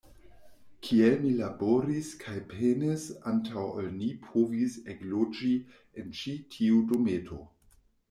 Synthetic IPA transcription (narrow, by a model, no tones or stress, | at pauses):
kʰielmilaboɾiskʰajpenesantʰawolnipʰoviseɡlod͡ʒi | ent͡ʃitʰiudometʰo